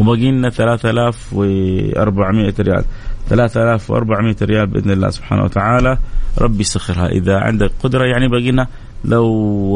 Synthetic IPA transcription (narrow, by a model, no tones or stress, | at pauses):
wɪbaːɡiːnːaθalaːθʔalaːfwɪʔɑ̰ɾˤbaʕmɪʔaɾɪja̰ːlθalaːθʔalaːfwʔɑ̰ɾˤbaʕmɪʔaɾɪjaːlbʔɪ̰d̪nalːa̰ːsub̥ħa̰ːna̰wa̰t̪aʕaːlaɾˤʔɑ̰bːjsaxːɪɾha̰ʔɪ̰ðaʕɪ̰nd̪akqʊd̪ɾˤɑjaʕnibaːɡiːnha | law